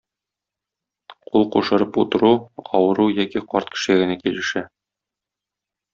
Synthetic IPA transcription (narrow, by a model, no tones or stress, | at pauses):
qulˠquʃɤ̆ɾɤput̪ɤ̆ɾuɒwɤ̆ɾujɒkiqɒɾt̪̚kɘ̥̆ʃɘ̆æɡɘ̆nækilɘ̆ʃæ